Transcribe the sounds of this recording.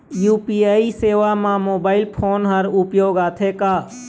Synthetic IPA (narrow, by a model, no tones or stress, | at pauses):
juːpiːaːiseːʋamãmoːbaːɪlpʰoːnɦəɾʊpjoːɡaːt̪ʰekaː